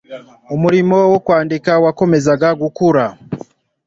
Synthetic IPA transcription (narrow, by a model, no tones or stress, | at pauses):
omuɾimo̞wokwaːndikawako̞me̞zaɡaɡukuɾa